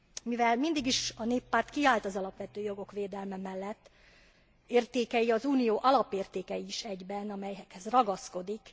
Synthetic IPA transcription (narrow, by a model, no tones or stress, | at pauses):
mivɛlmind̪iɡiʃɒneːpːaːrt̪kiaːlt̪ɒzɒlɒpʋɛt̪øːjo̞ɡo̞kʋeːd̪ɛlmɛmɛlːɛt̪ː | eːrt̪eːkɛjiɒzuːnijoːʔɒlɒpeːrt̪eːkɛjiːʃɛɟbɛnɒmɛjɛkhɛzrɒɡɒsko̞d̪ik